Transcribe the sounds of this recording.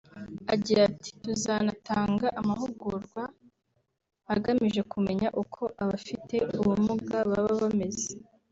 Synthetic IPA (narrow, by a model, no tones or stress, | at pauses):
aɟiɾati̥tuzanataːŋɡaʔamaɦuɡuɾɡwa | ɡamiʒe̞kume̞ɲaʔukʰo̞ʔaβafite̞uwumuɡaβaβaβame̞ze